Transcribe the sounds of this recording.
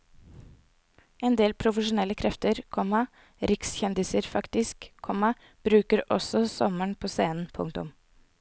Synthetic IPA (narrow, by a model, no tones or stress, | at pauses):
ɛnd̪eːlpʰɾʊfəʃʊnɛləkʰɾɛft̪əɾkʰɔmɑ | ɾɪksçɛnd̪ɪsəɾfɑkt̪ɪskkʰːɔmɑ | b̥ɾʉːkəɾɔ̰sɔsɔ̰məɳpʰoːseːnn̩pʰʊ̰ŋt̪ʊ̰m